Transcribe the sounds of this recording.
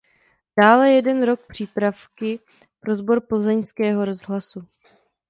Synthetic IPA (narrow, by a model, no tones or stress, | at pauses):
d̥aːlɛjɛdɛnɾo̞k̚pr̝̥iːpɾafkɪ | pɾo̞zbo̞ɾpl̩zɛɲskɛːɦo̞ɾo̞zɦlasu